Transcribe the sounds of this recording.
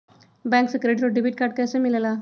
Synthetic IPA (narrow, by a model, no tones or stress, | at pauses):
bɛ̃ŋksəkɾeʈɾoɖibʱiʈ̚kaɾʈ̚kajsemilala